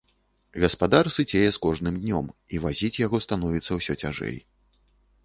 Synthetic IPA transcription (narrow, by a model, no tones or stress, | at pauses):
ɣɐspad̪arsɨd͡zʲejɛskɔʐnɨmd̪ʲnʲɔmivazʲit͡sʲjaɣɔst̪anɔvʲit̪sːɐwsʲɔt͡sʲaʐɛ̰j